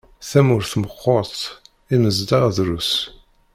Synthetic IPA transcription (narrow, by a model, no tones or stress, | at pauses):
θæmʊɾθməqːot̪ˤ | inəzd̪ɑʁðɾus